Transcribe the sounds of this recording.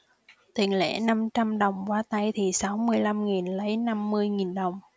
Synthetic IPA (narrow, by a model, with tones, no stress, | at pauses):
t̪i˨˩ŋlḛ˧˥na˧mt͡ɕa˧mɗə˨˩wŋ͡mkwaː˧t̪a˧jt̪ʰi˨˩sa˨˦wmɨ˧əjla˧mŋi˨˩nlə˨˦jna˧mːɨ˧əjŋi˨˩nɗə˨˩wŋ͡m